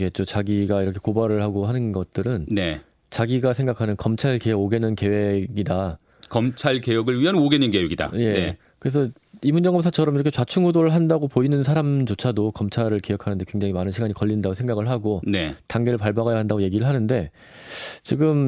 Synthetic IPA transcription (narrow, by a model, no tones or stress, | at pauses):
ɡe̞t͡ɕ͈ot͡ɕaɡiɡaiɾʌkʰe̞kobaɾɯɭhaɡoɦanɯnɡʌt̚t͈ɯɾɯnne | t͡ɕaɡiɡasʰe̞ŋɡakʰanɯnkʌmt͡ɕʰaɭkeweɡoɡe̞nɯnke̞we̞ɡida | kʌmt͡ɕʰaɭke̞jʌɡɯɭɥiɦʌnoɡenɯnkeweɡida̰jee | kɯɾe̞s̬ʰʌ | imund͡ʑʌŋɡʌms̬ʰat͡ɕʰʌɾʌmiɾʌkʰet͡ɕwat͡ɕʰuŋudoɾɯɭɦandaɡopoinɯnsʰaɾamt͡ɕot͡ɕʰadokʌmt͡ɕʰaɾɯɭke̞wʌkʰanɯnde̞kwe̞ŋd͡ʑaŋimanɯnɕʰiɡaɲikʌʎːindaɡosʰeŋɡaɡɯɭɦaɡonetaŋɡe̞ɾɯɭpaɭbaɣajaɦandaɡoje̞ɡiɾɯɭɦanɯnde̞ | t͡ɕiɡɯm